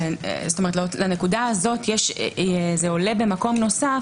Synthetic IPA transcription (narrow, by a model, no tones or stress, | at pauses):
zsotometllane̞kudaazo̞tjɛʃ | zeo̞le̞be̞mako̞mno̞sa